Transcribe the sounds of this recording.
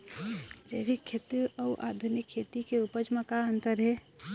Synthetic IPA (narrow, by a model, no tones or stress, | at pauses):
d͡ʒeːbikʰːeːt̪iɔːʔa̰ːd̪ʱunɪkʰːeːt̪ikeupəd͡ʒmakaənt̪əɾɦɛː